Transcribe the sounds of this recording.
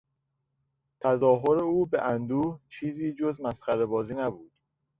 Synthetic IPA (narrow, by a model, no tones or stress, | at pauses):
t̪ʰæzɒːɦoɾeuːbeʔænd̪uːht͡ʃʰiːziːd͡ʒozmæsxæɾebɒːziːnæbuːd̪̥